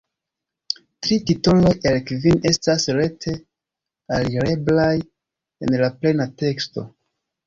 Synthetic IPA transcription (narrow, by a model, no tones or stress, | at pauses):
tɾitito̞lo̞jelkvine̞stasɾe̞tʰe̞ | aliɾe̞blaj | e̞̰nlaple̞nate̞ksto̰